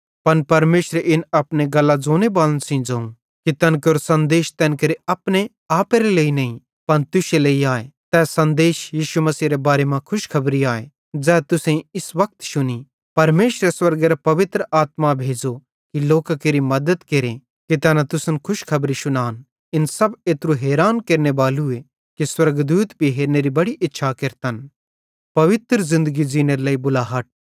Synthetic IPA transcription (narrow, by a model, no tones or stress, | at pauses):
pɐnpɐɾmeːʃɾeʔɪnɐpneɡɐlːad͡zoːnebaːlənsĩd͡ʒɐːũ | kit̪ɛnkoɾsɐ̃nd̪eːʃt̪ɛnkeɾeɐpne | aːpeɾeleːinɐĩ | pɐnt̪ʊʃeleːiaːet̪ɛːsɐ̃nd̪eːʃjiːʃumɐsiːɾebaːɾemãkʰʊʃkʰɐbɾiaːe | d͡ʒɛːt̪ʊsẽɪsʋɐk̚t̪ʃʊni | pɐɾmeːʃɾeswɐɾɡeɾapɐʋɪt̪ɾəʔaːt̪mabʱeːd͡ʒo | kiloːkakeːɾimɐd̪əd̪keɾẽ | kit̪ɛːnat̪ʊsənkʰʊʃkʰɐbɾiʃʊnaːn | ɪnsɐbeːt̪ɾuɦeːɾaːnkeːɾnebaːlue | kiswɐɾɡd̪uːt̪bʱiɦeːɾneɾibɐɽiʔɪtːʃʰakɪɾt̪ən | pɐʋɪt̪ɾzɪ̃nd̪əɡid͡ʒiːneɾelɐːibʊlaːɦɐʈ̚